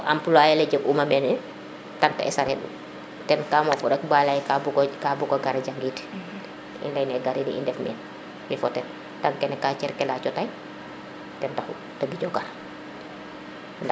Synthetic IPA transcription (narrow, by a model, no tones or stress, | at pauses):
ʔampulajalɛɟəkumamɛnɛ | tantɛ̰ʔɛ̰saɾɛɗṵ | tɛnkaːmɔfɔɾɛk̚baːlajkabukabukɔɡaɾaɟaŋɡit | ḭndajnɛɡaɾidḭḭndɛfmɛ̰n | mifɔtɛ | taŋkɛnɛkat͡ʃɛɾkɛlaːt͡ʃɔtaj | tɛntaxṵ | taɡiɟɔɡaɾ | nd